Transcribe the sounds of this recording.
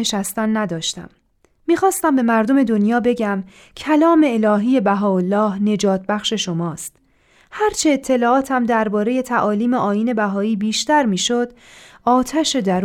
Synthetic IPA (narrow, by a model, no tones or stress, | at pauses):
eʃæst̪ænːæd̪ɒːʃt̪æ̰mː | iːxɒːst̪æmbe̞mæɾd̪ome̞d̪o̞njɒːbe̞ɟæm | cʰælɒːme̞ːlɒːɦiːje̞bæɦɒːolːɒːhne̞d͡ʒɒːt̪̚ʰbæxʃe̞ʃo̞mɒːst̪ | hæɾt͡ʃʰe̞ːt̪ʰːe̞lɒːɒːt̪ʰæmd̪æɾbɒːɾe̞je̞t̪ʰæʔɒːliːmeʔɒːjiːne̞bæɦɒːiːbiːʃt̪æɾmiːʃod̪ | ɒːt̪ʰæʃe̞d̪æɾ